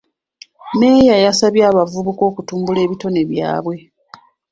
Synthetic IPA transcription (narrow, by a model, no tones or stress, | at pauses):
me̞jajasaβjaːβavuβuko̞ːkutuːmbule̞ːβito̞ne̞βja̰ːβwe̞